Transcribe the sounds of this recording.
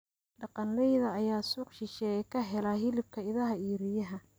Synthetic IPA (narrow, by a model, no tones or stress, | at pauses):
ɖɑqɑnlɛjðɐːjaːsuːqʃɪʃɛːkʰɐɦɛlɐɦɪlɪb̚kʰɐɪðɐɦɐiːɾɪjɐɦɐ